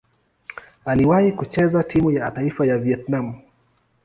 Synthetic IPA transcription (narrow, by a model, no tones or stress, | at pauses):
aliwahikut͡ʃɛzatʰimujataifajaviɛtnamu